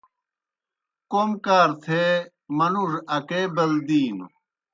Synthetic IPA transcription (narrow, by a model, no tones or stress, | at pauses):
komkaːɾt̪ʰe | mɐnuʐɐkebɐld̪iːn